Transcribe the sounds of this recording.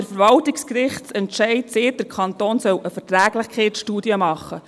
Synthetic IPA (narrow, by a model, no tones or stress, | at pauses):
əɾfəɾʋɑltikskɾɪχtt͡sɛntʃɛɪtsɪːt̚d̥əɾkʰɑntoːnsœwəfətɾæːɡ̥lɪχkʰɛɪtʃtuːdiəmɑχːə